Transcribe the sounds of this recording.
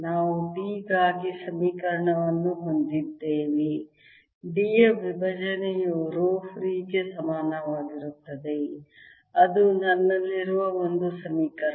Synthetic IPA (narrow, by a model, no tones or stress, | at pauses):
naːʋubiːɡaːɡisɐmiːkɐɾɐɳɐʋɐnːuɦond̪id̪ːeːʋi | ɖijeʋibʱɐd͡ʒɐnejuɾoːfɾiːɡe̞sɐmaːnɐʋaːɡiɾut̪ːɐd̪e | ɐd̪unɐnːɐlːiɾuʋɐond̪usɐmiːkɐɾ